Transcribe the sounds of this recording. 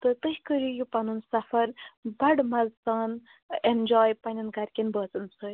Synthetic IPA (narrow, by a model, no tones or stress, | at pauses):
t̪ɨt̪ɨɦikəɾijupɐnunsɐfɐɾbɐɽmɐlsaːn | end͡ʒɔːjpɐnʲɐnɡɐɾʲkʲinbəːt͡sɨnsə